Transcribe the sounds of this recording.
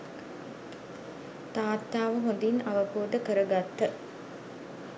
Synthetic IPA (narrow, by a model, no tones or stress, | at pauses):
t̪aːt̪ːaːʋəɦond̪inaʋəboːd̪əkəɾəɡat̪ːə